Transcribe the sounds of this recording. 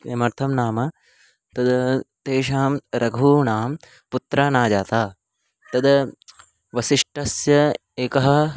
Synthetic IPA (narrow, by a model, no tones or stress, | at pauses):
emɐɾt̪ʰɐmnaːmɐ | t̪ɐd̪t̪eːʃaːmɾɐɡʱuːnaːm | put̪ɾaːnaːd͡ʒaːt̪aː | t̪ɐd̪ɐ | ʋɐsiʂʈɐsjɐ | eːkɐɦɐ̆